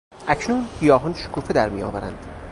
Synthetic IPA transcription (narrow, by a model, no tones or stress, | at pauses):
ʔæcʰnuːnhijɒːɦɒnʃo̥kʰuːfed̪æɾmijɒ̰ːvæɾæ̰nd̪̥